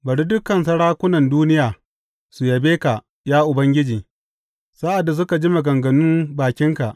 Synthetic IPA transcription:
bɐ˨ɽi˦dʊ˦kːɐ˨nsɐ˦ɽaː˦kʷʊ˦nɐ˨nduː˦nɪ˦jaː˨ | su˨jɐ˨beː˦ka˨ | jaː˦ʔʊ˨bɐ˦ŋɡʲɪ˦d͡ʒiː˨ | sa˦ʔa˨dːa˨s̬ʊ˦ka˨d͡ʒi˦ma˨ɡɐ˨ŋɡɐ˨nʊ˦mbaː˨kʲɪ˦ŋka˨ʔ

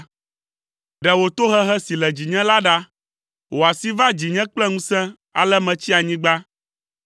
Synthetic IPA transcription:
ɖɛ˨wo˨t̪o˦ɦɛ˦ɦɛ˦si˨lɛ˨d͡ʑi˨ɲɛ̃˦la˦ɖa˦ | wʔo˨a˨si˦va˦d͡ʑi˨ɲɛ̃˦k͡plɛ˦ŋũ˦sɛ̃˦ | a̰˨lɛ˦mɛ̃˨t͡ɕi˦a˨ɲĩ˦ɡ͡ba˦

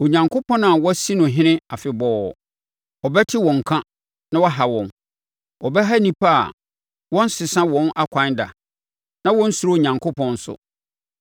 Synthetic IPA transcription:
o˨ɲã˨ŋkʰʊ˦pʰɔ̃˦nã˨wɔ˦si˦nʊ̃˨ɦɪ̃˦nɪ̃˦a˨fɪ˨bɔ˦˨ | ɔ˨bɛ˦tʰɪ˦wɔ̃˨ŋ̩˨kʰã˦ | nã˦wɔ˦ɦa˨wɔ̃˨n | ɔ˨bɛ˦ɦa˦nĩ˨pʰa˦a̰˨ | wɔ̃˦n̩˦sɪ˨sã˦wɔ̃˦nʔa˦kʷʰã˨˦nda̰˨ | nã˦wɔ̃˦n̩˦su˦ɾo˦o˨ɲã˨ŋkʰo˦pʰɔ̃˨n̩˦sʊ̰˨

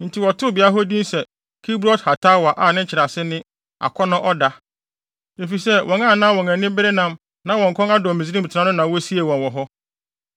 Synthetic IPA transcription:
n̩˨tʰi˨wɔ˨tʰʊ˦˨bi˨a˦ɦɔ˦dĩ˦nsɛ˨ | kʰi˦bɾɔ˦tha˨tʰa˦wa˨ʔa˨nɪ̃˦ɲ̩˦t͡ɕʰɪ˨ɾa˨sɪ˦nɪ̃˦ | a̰˨kʰɔ˦nʊ̃˦ʔɔ˦da˨ | e˨fi˨sɛ˦wʔɔ̃˨ŋã˦˨nãː˦wɔ̃˨ŋɛ̃˨nɪ̃˦bɪ˦ɾe˦nã˦m | nã˦wɔ̃˨ŋ̩˨kʰɔ̃˦ŋa˦dɔ˨mɪ̃˨zi˦ĩ˦m˨tʰnã˦nʊ̃˦nã˨wɔ˦si˦e˨wɔ̃˨nwɔ˨ɦɔ˦

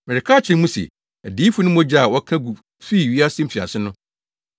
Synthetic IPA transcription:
mɛ˨ɾɪ˨kʰa˦˨t͡ɕʰɪ̃˨˦mũ˦sḛ˨ | æ˨diː˦fu˦nʊ̃˦mɔ̃˦d͡ʑa˦a˨wɔ˦kʰã˦ɡu˨ | fi˦˨ɥi˦a˦sɪ̃˦m̩˦fi˨a̰˨sɪ˦nʊ̃˦

